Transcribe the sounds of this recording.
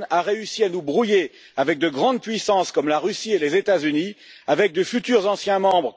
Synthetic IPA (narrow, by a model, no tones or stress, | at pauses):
naʁeysianubʁuje | avɛk̚d̪əɡʁɑ̃d̪̚pɥisɑ̃skɔmlaʁysielezet̪azyniavɛk̚d̪əfyt̪yʁzɑ̃sjɛ̃mɑ̃bʁ